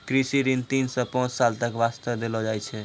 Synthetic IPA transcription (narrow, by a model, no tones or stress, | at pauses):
kɾisiɾint̪insə̃pãt͡ʃsalt̪əkʋast̪əʋd̪elɔd͡ʒajt͡ʃʰɛ